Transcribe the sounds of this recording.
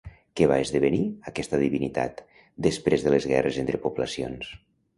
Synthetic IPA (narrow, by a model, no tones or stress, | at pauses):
kɛβaezðəβəniakɛst̪əðiβinit̪a̰t̪ | d̪əspɾezðələzɣɛ̰rezent̪ɾəpuβləsio̰ns